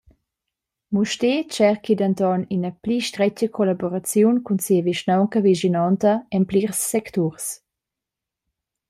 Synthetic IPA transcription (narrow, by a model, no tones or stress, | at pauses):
muʃtet͡ʃɛʁkid̪ant̪ɔninəpliʃtɾɛcəkʰolaboɾat͡sjunkunsiəviʃnawŋkəviʒinɔnt̪əɛmpliʁsːɛkt̪uɾs